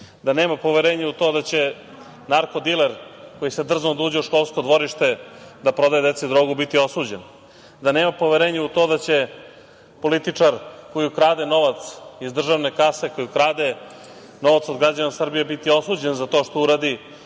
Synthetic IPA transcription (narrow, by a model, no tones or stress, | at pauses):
d̪ane̞ːmapo̞ʋeɾeːɲeut̪o̞d̪at͡ɕe̞ | naɾkod̪ileɾko̞jise̞d̪r̩znod̪uːd͡ʑeuʃko̞lˠskod̪ʋo̞ɾiʃt̪e̞d̪apɾo̞d̪aje̞d̪et̪sed̪ɾoːɡubit̪io̞suːd͡ʑen | d̪ane̞ːmapo̞ʋeɾeːɲeut̪o̞d̪at͡ɕe̞ | po̞lit̪it͡ʂaɾko̞jukɾaːd̪e̞no̞ʋat̪sizd̪r̩ʒaʋne̞kase̞ko̞jukɾaːd̪e | no̞ʋat̪sod̪ɡɾad͡ʑanasr̩bijebit̪io̞suːd͡ʑe̞nzat̪o̞ːʃt̪ouɾaːd̪i